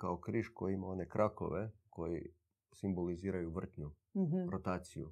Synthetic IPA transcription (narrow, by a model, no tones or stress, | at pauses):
kaokɾiʃkojiimao̞nekɾʔako̰ʋekʰo̞jḭ | simboliziːɾajuʋr̩t̪ɲu | ɾot̪aːt̪sijṵ